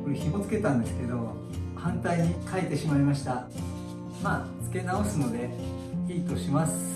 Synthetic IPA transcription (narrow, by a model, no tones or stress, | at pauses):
koɾeçimo̞t͡sɨ̥ke̞t̪ãnd̪e̞sɨ̥ke̞d̪o̞ | hãnt̪aiɲikʰaet̪e̞ɕimaimaɕi̥t̪a | maː | t͡sɨ̥ke̞nao̞sɨno̞d̪e̞ | çiːt̪o̞ɕimasɨ̥